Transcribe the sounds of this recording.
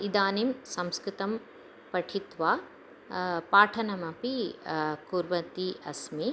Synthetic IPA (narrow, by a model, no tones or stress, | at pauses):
id̪aːnimsɐmskɾɪt̪ɐm | pɐʈʰit̪ʋaː | paːʈʰɐnɐmɐpikuɾʋɐt̪iʔɐsmi